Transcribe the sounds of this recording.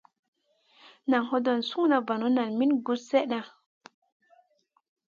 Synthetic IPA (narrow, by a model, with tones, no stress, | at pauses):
na˨ŋho˦do˨nsu˦ŋna˨va˨no˨˦na˨nmi˦nɡu˦sse˦ʔɗa˨